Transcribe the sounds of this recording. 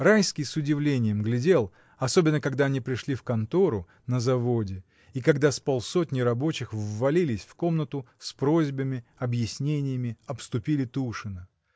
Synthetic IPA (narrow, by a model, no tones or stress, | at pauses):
rajskʲɪjsʊdʲɪvlʲenʲɪjəmɡlʲɪdʲe̞lˠ | ɐso̞bʲɪnːəkɐɡd̪aɐnʲipɾʲɪʂlʲifkɐnt̪o̞ɾʊ | nəzɐvo̞dʲɪ | ikɐɡd̪aspɐlˠso̞t̚ʲnʲɪjɾɐbo̞t͡ɕɪxːɐlʲilʲɪsʲfko̞mnət̪ʊspɾo̞zʲbəmʲɪɐbjɪsʲnʲenʲɪjəmʲɪɐpst̪ʊpʲilʲɪt̪uʂɨnə